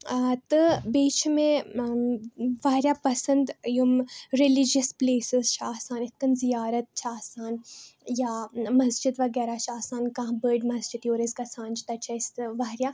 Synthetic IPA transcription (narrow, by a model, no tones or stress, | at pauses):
t̪ɨbiːt͡ʃʰmẽ | ʋaɦɾjaːpɐsənd̪jumɾilid͡ʒəspleːsɪzt͡ʃʰaːsaːnɪt̪̚kɐnzijaːɾɐt̪̚t͡ʃʰaːsaːnjamɐsd͡ʒɪd̪ʋɐɡɛːɾat͡ʃʰaːsaːnkãɦbəːɖmɐsd͡ʒid̪ioːɾisɡɐsaːnt͡ʃi̥t̪ɐt͡ʃʰɐɪsʋaːɾjaː